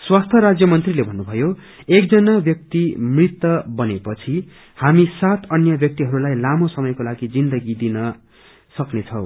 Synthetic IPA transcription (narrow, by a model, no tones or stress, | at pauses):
swast̪ʰʌɾad͡zjʌmʌnt̪rilebʱʌnːubʱʌjo | ek̚d͡zʌnabjʌk̚t̪imrit̪ːʌbʌnepʌt͡sʰi | hamisat̪ʰʌnjʌbjʌk̚t̪iɦʌɾulajlamosʌmʌjkolaɡid͡zind̪ʌɡid̪inʌ | sʌknet͡sʰʌw